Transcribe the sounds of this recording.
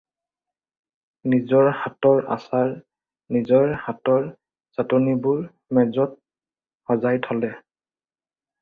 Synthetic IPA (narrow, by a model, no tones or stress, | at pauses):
nizɔɹhatɔɹa̰saɹ | nizɔɹhatɔɹ | z̥atɔnibʊɹ | mɛzɔt̚ | hɔzajtʰɔlɛ